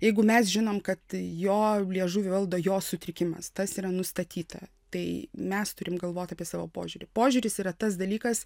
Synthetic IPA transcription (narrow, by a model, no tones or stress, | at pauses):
jɛɪɡʊmʲɛsʒʲɪnoːmkɐt̪joːlʲiɛʒuːʋʲɪʋɐlˠd̪oːjoːsʊt̪ʲɾʲɪkʲɪmɐst̪ɐsiːɾɐnʊst̪ɐt̪ʲʰiːt̪ɐ̰ | t̪ɐɪmʲɛst̪ʊɾʲɪmɡɐlˠʋoːt̪ʲɑːpʲiɛsɑːʋoːpo̰ːʒʲʊːɾʲɪpoːʒʲʊɾʲɪsiːɾɐt̪ɐsd̪ɐlʲiːkɐs